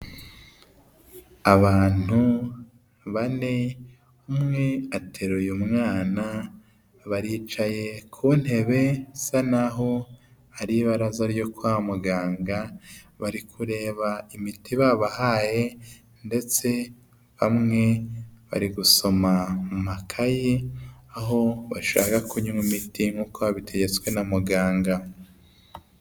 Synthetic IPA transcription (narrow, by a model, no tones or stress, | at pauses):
aβaːn̥hu | βane̞ | umŋe̞atʰe̞ɾojumŋaːna | βaɾiːt͡ʃaje̞kʰuːn̥he̞βe̞sanaɦo̞ | aɾiβaɾazaɾjo̞kwaːmuɡaːŋɡa | βaɾikʰuɾe̞ːβaimitʰiβaβahaje̞ | nde̞t͡se̞ | βamŋe̞βa̰ɾiɡuso̞mamumakʰajiaɦo̞βaʃa̰ːkakuɲumumitiŋ̥ɡuːkoβaβitʰe̞ɟe̞t͡swe̞namuɡaːŋɡa